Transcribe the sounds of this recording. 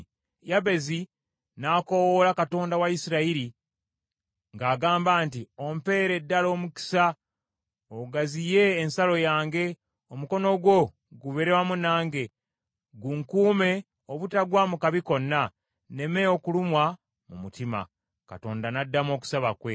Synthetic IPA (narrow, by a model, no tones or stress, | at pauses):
jaβe̞zi | naːko̞wolakato̞ːndawaisiɾaiɾi | ŋɡaːɡaːmbaːntio̞mpe̞ːɾe̞dːalo̞ːmuki̥sa | oɡazije̞ːnsalo̞jaːŋɡe̞ | omuko̞no̞ɡwo̞ | ɡuβe̞ɾewamunaːŋɡe̞ | ɡuŋkuːme̞ | oβutaɡwamukaβiko̞nːa | ne̞me̞okulumwa | mṵmutima̰ | ka̰to̞̰ːndanadːamo̞ːku̥saβakwe̞